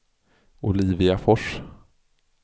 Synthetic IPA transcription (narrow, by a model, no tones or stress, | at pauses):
ʊliːvɪafɔʂ